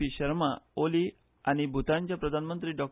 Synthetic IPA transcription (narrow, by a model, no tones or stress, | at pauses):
iɕəɾma̰oli | aɽ̃ibʱut̪ãɲt͡ɕjapɾəd̪ʱanmənt̪ɾiːɖɔk̚